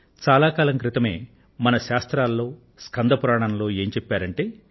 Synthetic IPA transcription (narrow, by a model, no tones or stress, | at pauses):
t͡ʃaːlaːkaːlɐmkɾɪt̪ɐme̞̰ː | mɐnɐʃaːst̪ɾaːlːo̞ː | skɐnd̪ʱɐpuɾaːɳɐnlo̞ːe̞ːɲt͡ʃɛpːaːɾɐɳʈe̞ː